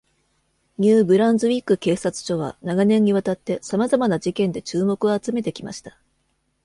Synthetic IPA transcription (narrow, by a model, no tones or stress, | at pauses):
ɲʲɨːbɯ̟ɾãnzɨβʲikɯ̟ke̞ːsat͡sɨ̥ʑo̞β̞a̰naɡanẽ̞ɲ̟ːiβat̪at̪ːe̞samazamanad͡ʑikẽ̞nd̪e̞t͡ɕɨːmo̞kɯ̟oːt͡sɨme̞t̪e̞kʲima̰ɕi̥t̪ḁ